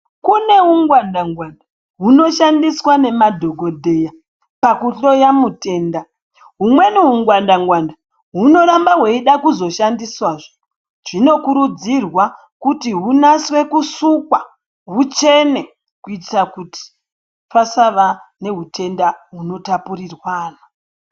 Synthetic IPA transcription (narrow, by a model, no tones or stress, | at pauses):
kune̞uŋɡwandaŋɡwanda | ɦuno̞ʃandiswane̞madʱo̞ɡʱo̞dʱe̞ja | pakuɬo̞jamute̞ːnda | ɦumwe̞nuɦuŋɡwandaŋɡwanda | ɦuno̞ɾambaɦweiɗakuzo̞ʃandiswaːʐo | ʐ̥ino̞kuɾud͡zirwa | kutiɦunaswe̞kusukwa | ɦut͡ʃe̞ne̞ | kuitakuti̥ | pasaʋane̞ɦutʰe̞ndaɦuno̞tapurirwaːna